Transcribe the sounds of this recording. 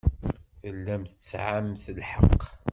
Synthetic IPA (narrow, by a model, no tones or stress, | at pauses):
θəlːæmθət͡sːʕamθəlħəqː